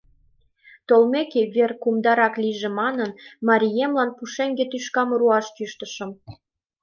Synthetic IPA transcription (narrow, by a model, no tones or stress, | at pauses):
t̪olmekeβerkumd̪ɑɾɑkliʒemɑnənmɑɾʲijemlɑnpuʃeŋɡet̪yʃkɑmɾuɑʃtyʃt̪əʃə̆m